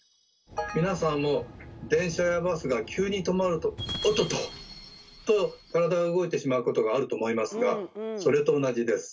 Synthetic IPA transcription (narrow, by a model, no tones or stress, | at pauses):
mʲinasãmːo̞d̪ẽ̞ɰ̃ɕajabasɨɡakʲʰɨːɲ̟it̪o̞maɾɯ̟t̪o̞ːt̪o̞t̪o | t̪o̞kaɾad̪aoɯɡo̞it̪e̞ɕimaɯ̟ko̞t̪o̞ɡaːɾɯ̟t̪o̞ːmo̞imasɨɡaso̞ɾe̞t̪o̞ːnaʑid̪e̞sɨ̥